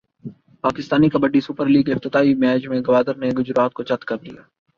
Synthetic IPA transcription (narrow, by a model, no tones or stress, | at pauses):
paːkɪst̪aːnikɐbɐɖːisʊpəɾliːɡɪft̪ɪt̪aːimɛːd͡ʒmẽɡɐʋaːd̪əɾneɡʊd͡ʒɾaːt̪̚kot͡ʃɐt̪kɐɾd̪ḭja̰ː